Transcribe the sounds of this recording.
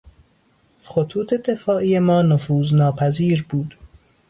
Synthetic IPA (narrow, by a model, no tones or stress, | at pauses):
xot̪ʰuːt̪ʰed̪e̞fɒːʔiːjemɒːnofuːznɒːpʰæziːɾbuːd̪̥